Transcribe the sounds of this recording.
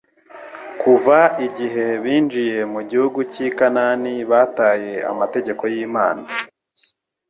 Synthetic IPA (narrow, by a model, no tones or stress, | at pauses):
kuvaiɟiɦe̞βiːnd͡ʒije̞muɟihuɡucikananiβaːtaːje̞a̰mate̞ɟe̞ko̞jiːmaːna